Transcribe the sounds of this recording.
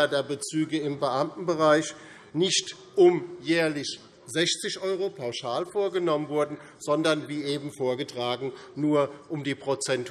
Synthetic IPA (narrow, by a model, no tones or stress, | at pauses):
ɐdeːɐbət͡syːɡəɪmbəʔamtn̩bəʁaɪç | nɪçt | ʔʊmjɛːɐlɪç | zɛçt͡sɪçʔɔʏʁopʰaʊʃaːlfoːɐɡənɔmənvʊɐdn̩ | z̥ɔndɐnviːʔeːbm̩foːɐɡətʁ̥aːɡŋ̩nuːɐʔʊmdiːpʁ̥ot͡sɛnt